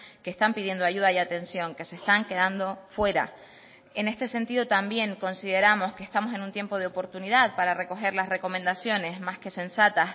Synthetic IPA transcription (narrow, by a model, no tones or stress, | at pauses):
keːst̪ampiðje̞nd̪oaʝuð̞aiat̪ẽ̞nsjo̞ŋke̞se̞st̪aŋke̞ðand̪o̞fwe̞ɾa̰ | ene̞st̪e̞se̞nt̪iðo̞t̪ambje̞ŋko̞nsiðe̞ɾamo̞skest̪amo̞se̞nũnt̪je̞mpo̞ð̞eopo̞ɾt̪uniðaðpaɾare̞ko̞xe̞ɾlasre̞ko̞mẽ̞nd̪asjo̞ne̞zmaske̞se̞nsat̪as